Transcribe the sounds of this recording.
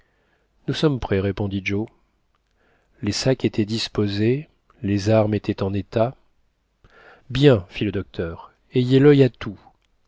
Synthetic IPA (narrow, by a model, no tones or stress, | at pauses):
nusɔmpχɛʁepɔ̃d̪id͡ʒo | lesaket̪ɛd̪ispoze | lezaʁmet̪ɛt̪ɑ̃net̪a | bjɛ̃filəd̪ɔk̚t̪ʰœːʁ | ejelœjat̪ʰu